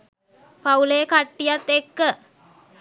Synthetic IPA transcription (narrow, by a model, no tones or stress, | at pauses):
paulejəkaʈːijat̪ːekːə